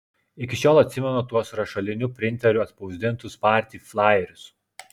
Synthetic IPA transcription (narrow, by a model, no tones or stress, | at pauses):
ɪkʲɪʃʲoːlˠɐt̪ʲsʲɪmʲɛnot̪uɔsɾɐʃɐlʲɪnʲʊpʲɾʲɪnʲt̪ʲɛɾʲʊɐt̪pɒʊzʲd̪ʲɪnˑt̪ʊspɑːˑɾʲt̪ʲiːflˠɑːjɛɾʲʊs